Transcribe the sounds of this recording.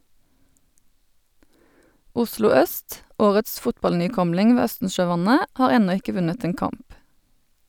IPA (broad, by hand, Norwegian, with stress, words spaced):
ˈʊslʊ ˈœst ˈoːʁəts ˈfʊtbɑlnyːˌkɔmlɪŋ ˈʋeː ˈœstn̩ʃøːˌʋɑnə ˈhɑːʁ ˈɛnɔ ˈɪkə ˈʋʉnət ˈeːn ˈkɑmp